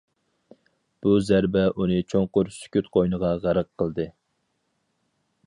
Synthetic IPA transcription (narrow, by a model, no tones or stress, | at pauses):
b̥uzæɾbɛʔunɨt͡ʃʰoŋqʊɾsy̥kʲyt̪qʰojnəʁɑʁæɾəqʰːəlˠd̪ɨ